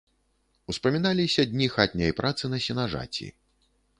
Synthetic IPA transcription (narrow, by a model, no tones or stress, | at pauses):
uspɐmʲinalʲisʲɐd̪ʲnʲixat̪ʲnʲɐjpɾʔat̪sɨnɐsʲinaʐa̰t͡sʲḭ